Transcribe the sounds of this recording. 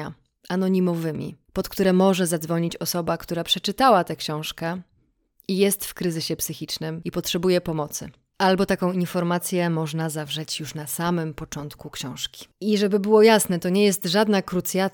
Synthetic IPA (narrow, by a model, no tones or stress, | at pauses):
a | ʔanɔɲimɔvɘmʲḭpɔt̪kt̪uɾɛmɔʐɛzad̪zvɔɲit͡ɕɔsɔbakt̪uɾapʂɛt͡ʂɘt̪awat̪ɛkɕɔ̃w̃ʂkɛ | ijɛst̪fkɾɘzɘɕɛpsɘxʲit͡ʂnɘmipɔtʂɛbujɛpɔmɔt̪sɘ̰ | albɔt̪akɔ̃w̃infɔɾmat̪sʲjɛmɔʐnazavʐɛt͡ɕjuʂnasamɘmpɔt͡ʂɔnt̪kukɕɔ̃w̃ʂkʲi̥iʐɛbɘbɘwɔjasnɛt̪ɔɲɛjɛst̪ʐad̪nakɾut̪sʲja